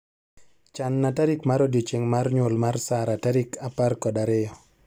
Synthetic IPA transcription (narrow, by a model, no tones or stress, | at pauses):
t͡ʃanːataɾikmaɾodjet͡ʃeŋmarɲwolmarsaɾataɾikaparkɔdaɾɪjɔ